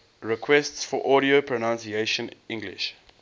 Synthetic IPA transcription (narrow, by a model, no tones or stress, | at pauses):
ɹɛkʰwɛstsfɔʔɔɾiopʰɹonãnsieʃə̃nĩŋɡlɪ̰ʃ